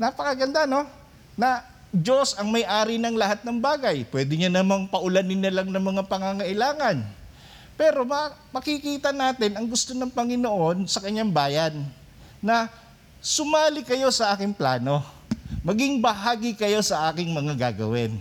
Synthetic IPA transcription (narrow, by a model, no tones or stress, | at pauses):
napɐkɐɡɐnd̪ano̞ | nɐ | d͡ʒo̞sɐŋmɐjʔaːɾɪnɐŋlɐhat̪̚nɐŋbaːɡɐjpwɛːd̪ɪɲanɐmaŋpɐʔʊlɐnɪnːɐlaŋnɐŋmɐŋapɐŋaŋɐʔɪlaːŋɐn | pɛːɾo̞mɐpɐkɪkiːt̪ɐnaːt̪ɪnɐŋɡʊst̪o̞nɐŋpɐŋɪnoʔo̞nsɐkɐɲːaŋbaːjɐnː | ɐ | sʊmaːlɪkɐjo̞sɐʔaːkɪŋplaːno̞ | mɐɡɪŋbɐɦaːɡɪkɐjo̞sɐʔaːkɪŋmɐŋaɡa̰ːɡɐ̰wɛn